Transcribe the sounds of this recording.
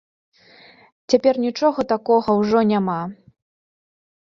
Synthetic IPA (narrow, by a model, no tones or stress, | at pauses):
t͡sʲapʲɛrnʲit͡ʂɔɣɐt̪akɔɣɐwʐɔnʲama